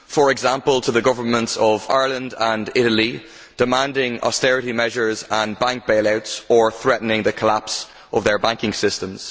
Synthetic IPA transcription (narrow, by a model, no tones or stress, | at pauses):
fə˞ɛɡzãmpəlˠtʰəðəɡʊvə˞mə̃ntsəva̰ɪɹlə̃ndə̃ndɪɾəli | d̥ɪmãndɪ̃ŋɔ̰stɛɹɪɾimɛʒə˞zə̃nbãŋk̚b̥eɪlaʊtsə˞θɹɛʔn̩ɪ̃ŋðəkʰəlaps | ʔəvðə˞bãŋkɪ̃ŋsɪstə̃mz̥